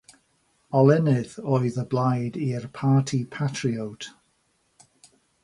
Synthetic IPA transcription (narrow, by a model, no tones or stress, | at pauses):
ɔlˠɛnɪðoːɨðəblˠajdirpʰaːtʰipʰatʰriowtʰ